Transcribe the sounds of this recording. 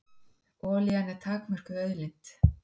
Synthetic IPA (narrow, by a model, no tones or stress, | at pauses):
ɔːljanɛɾ̥t̪ʰaːkmœr̥kʏðœɥðlint̪